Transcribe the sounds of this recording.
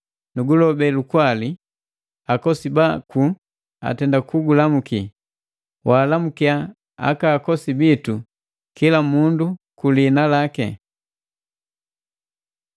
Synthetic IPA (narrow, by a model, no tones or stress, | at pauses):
nuɡulɔbɛlukwali | akɔsibaku | a̰tɛndakuɡulamuki | waːlamukia | a̰kaːkɔsibitu | kilamundukulinalakɛ̰